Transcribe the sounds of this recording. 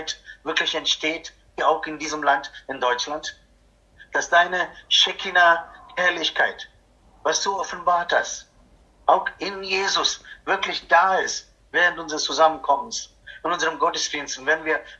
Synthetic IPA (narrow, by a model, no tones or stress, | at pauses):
ɪtv̥ɪɐklɪçɛntʃteːt | iaʊxɪndiːzəmlantɪndɔʏt͡ʃlant | d̥asd̥aɪnəʃɛkʰinahɛɐlɪçkʰaɪt | vasd̥uːɔfn̩baːɐtha̰st | ʔaʊxɪnjeːzʊsv̥ɪɐklɪçd̥aːɪst | vɛːʁəntʔʊnzəʁəst͡suzamənkʰɔməns | ɪntʊnzəʁəmɡɔtəsd̥iːnstn̩vɛdn̩viːɐ